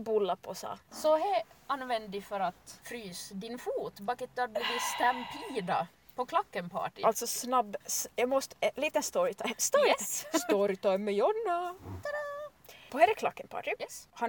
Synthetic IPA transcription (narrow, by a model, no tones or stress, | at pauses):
bʊlːapʰɔsɑ̰ːsɔhɛanʋɛnd̪d̪ɪfœɾat̪fɾyːsd̪ɪnfuːt̪bɑkːət̪̚d̪ab̪ʉd̪ist̪ɛnpʰiːd̪a̰ | pʰɔkʰlakːənpʰɑ̰ːʈɪʔalt̪sɔsnɑbsjɑmɔst̪liːt̪ənst̪ɔɾɪt̪ʰɑst̪ɔɾst̪ɔɾɪt̪ʰɑːmɛjɔnːa | pʰɔhɛɾəkʰlakːənpʰɑ̰ːʈɪɛhɑ